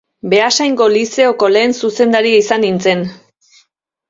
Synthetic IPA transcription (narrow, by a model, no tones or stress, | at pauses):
be̞asajŋɡo̞lise̞o̞ko̞le̞ːnsuse̞nd̪aɾiaisanint͡se̞n